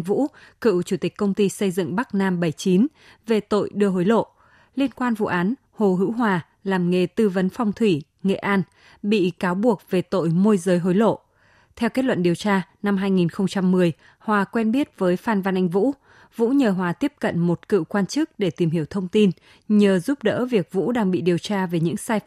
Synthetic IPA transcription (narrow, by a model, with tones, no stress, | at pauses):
ŋvṵ˧˥kɨ̰˧˨wt͡ɕu˧˩t̪ï˨˩k̟kːə˧wŋ͡mt̪i˧sə˧jzɨ̰˧˨ŋɓa˦˥k̚naː˧mɓə˧˩jt͡ɕi˨˦n | ve˨˩t̪o̰˧˨jɗɨ˧əɦo˨˦jlo̰˧˨ | li˧ənkwaː˧nvṵ˧˨ʔaː˨˦n | ho˨˩ɦɨ̰˧˥wɦwaː˨˩ | laː˨˩mŋe˨˩t̪ɨ˧və˨˦nfa˧wŋ͡mt̪ʰwi˧˩ | ŋḛ˧˨ʔaː˧n | ɓḭ˧˨kaː˨˦wɓu˨˩ək̚ve˨˩t̪o̰˧˨jmo˧jzəː˨˦jɦo˨˦jlo̰˧˨ | t̪ʰɛ˧wke˦˥t̚lwə̰˧˨nɗi˨˩əwt͡ɕaː˧na˧mɦaː˧jŋi˨˩nxə˧wŋ͡mt͡ɕa˧mːɨ˨˩əj | hwaː˨˩kwɛ˧nɓi˦˥ət̚vəː˨˦jfaː˧nva˧nʔa˧jŋ̟vṵ˧˥ | vṵ˧˥ɲəː˨˩ɦwaː˨˩t̪i˦˥əp̚kə̰˧˨nmo˨˩t̚kɨ̰˧˨kwaː˧nt͡ɕɨ˦˥k̚ɗe˧˩t̪i˨˩mhi˧˩əwt̪ʰə˧wŋ͡mt̪i˧n | ɲəː˨˩zu˦˥p̚ɗə̰ː˧˥vi˨˩ək̚vṵ˧˥ɗaː˧ŋɓḭ˧˨ɗi˨˩əwt͡ɕaː˧ve˨˩ɲɨ̰˧˥ŋsaː˧j